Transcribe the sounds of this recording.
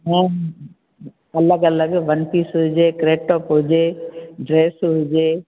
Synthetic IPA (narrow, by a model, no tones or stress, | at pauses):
ɦɛ̃ | ɐləɡɐləɡʋɐnpiːsɦʊd͡ʒeːkɾeːʈoːpɦʊd͡ʒeːɖɾeːsɦʊd͡ʒeː